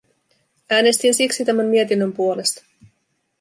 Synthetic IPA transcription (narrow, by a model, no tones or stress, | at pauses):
æːne̞st̪insiksit̪æmæmmiet̪inːømpuo̞le̞st̪ɑ̥